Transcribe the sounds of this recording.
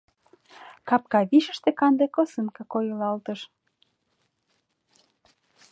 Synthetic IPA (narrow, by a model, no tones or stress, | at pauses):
kɑp̚kɑβiʃə̆ʃt̪ekɑnd̪ekosɨnkɑkojəlɑlt̪əʃ